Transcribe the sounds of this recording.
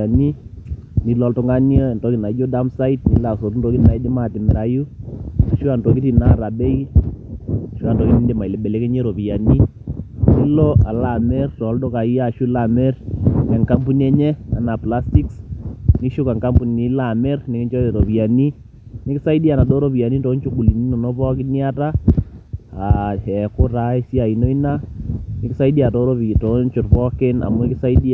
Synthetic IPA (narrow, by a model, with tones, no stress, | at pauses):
a˨ni˦ni˨lɔ˨˦ltɔ˨ŋɡa˦njɔ˦˨ntɔ˨˦ki˨na˨˦d͡ʒo˦da˦msa˦i˦tni˨˦la˨so˨tu˦ntɔ˨˦ki˦˨na˨i˦dɪ˦ma˦˨tɪ˨mɛ˨ɾa˨ju˦a˨ʃu˦a˨ntɔ˨ki˦ti˨na˦˨ɾa˨bɛ˦i˦˨ | ʃu˦a˨ntɔ˨ki˦ni˦ndɪ˨ma˨ɪ˨lɛ˨bɛ˨lɛ˦ke˦ɲɛ˦ɾo˨pi˨ja˨ni˦ | ni˦lɔ˦a˨la˨mɛ˦rtɔ˨˦ldɔ˦ka˨i˦ja˦˨ʃu˦la˨mɛ˦rɛ˨ŋka˦mpu˦n˦ɛ˦ɲɛ˦a˨na˨pla˦sti˦ksni˦ʃu˦ka˨ŋka˦mpu˨ni˨ni˦la˨mɛ˦rnɪ˨kɪ˦ɲt͡ʃɔ˦e˨ɾo˨pi˨a˨ni˦ | nɪ˦kɪ˦sa˦i˦di˦a˨na˨do˦ɾo˦pi˨a˨ni˦to˨˦nt͡ʃu˦ɡu˨li˨ni˦nɔ˨nɔ˦pɔ˦kɪ˦ni˦a˦ta˦ | a˨ɛ˨kʊ˦ta˦e˦si˦a˨i˨no˦i˦na˦nɪ˨kɪ˦sa˦i˦di˦a˨tɔ˦ɾo˦pi˨to˨˦nt͡ʃʊ˨tpɔ˦kɪ˦na̰˨mu˦ɪ˦kɪ˦sa˦i˦di˦